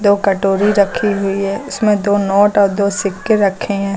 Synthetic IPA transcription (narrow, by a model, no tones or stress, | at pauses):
d̪oːkɐʈoːɾiɾɐkʰiɦʊiɦɛːʊsmẽd̪oːnɔːʈɔːɾd̪oːsɪkːeɾɐkʰẽɦɛ̃ː